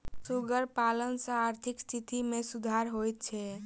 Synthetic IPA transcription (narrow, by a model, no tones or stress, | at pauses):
suɡəɾpalənsə̃aɾt̪ʰikst̪ʰit̪imesud̪ʱaɾɦojt̪̚t͡ʃʰɛ